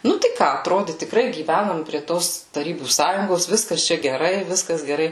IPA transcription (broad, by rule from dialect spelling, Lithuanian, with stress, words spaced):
ˈnʊ tɐɪ ˈkɑː ɐtˈroːdʲɪ tʲɪkˈrɐɪ ɡʲiːˈʋʲænoːm pʲrʲiɛ ˈtoːs tɐˈrʲiːbuː ˈsɑːjʊŋɡoːs ˈʋʲɪskɐs ˈt͡ʃʲɛ ɡʲɛˈrɐɪ ˈʋʲɪskɐs ɡʲɛˈrɐɪ